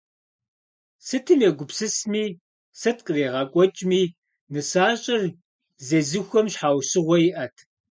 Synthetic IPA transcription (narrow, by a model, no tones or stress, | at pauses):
sɨtʰɨmeɡʷʊpsɨsmiː | sɐt̚qʼɨreːʁɐkʷʼɔt͡ʃʼmiː | nɨsaːɕʼɪr | zɐzɨxʷɔmɕħaːwɕɨʁʷɔjɪʔɐtʰ